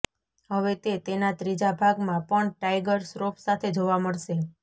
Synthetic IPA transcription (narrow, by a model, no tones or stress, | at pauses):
ɦəʋet̪et̪enat̪ɾid͡ʒabʱaɡmãpəɳʈajɡəɾsɾopsat̪ʰed͡ʒoʋaməɭʃe